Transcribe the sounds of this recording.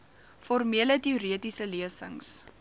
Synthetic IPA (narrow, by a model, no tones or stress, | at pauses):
fɔrmiələtiuɾiətisəliəsə̰ŋs